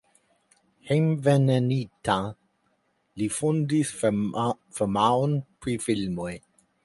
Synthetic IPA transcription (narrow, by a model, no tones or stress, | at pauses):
hejmvenenita | lifundis | femaonpɾifilmoj